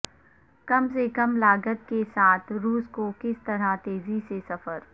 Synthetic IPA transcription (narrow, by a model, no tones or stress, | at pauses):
kɐmsekɐmlaːɡət̪̚kesaːt̪ʰɾuːskokɪst̪ɐɾat̪eːzisesɐfəɾ